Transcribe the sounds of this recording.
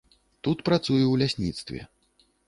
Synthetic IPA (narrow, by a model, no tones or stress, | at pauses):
t̪ut̪pɾat̪sujɛwlʲasʲnʲit̪st̪vʲɛ̰